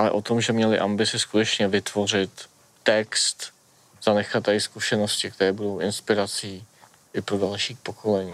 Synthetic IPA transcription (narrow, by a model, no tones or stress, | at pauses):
ʔalɛ̰ʔo̞t̪o̞mʒɛmɲɛlɪʔambɪt͡sɪskut̪ɛt͡ʃɲɛvɪt̪vo̞r̝ɪt̪ː | ɛkst̪ | z̥anɛxat̪ɛɪskuʃɛno̞scɪk̚t̪ɛɾɛːbudo̞wʔɪnspɪɾat͡siː | ʔɪpɾodalʃiːxpokʰo̞lɛɲiː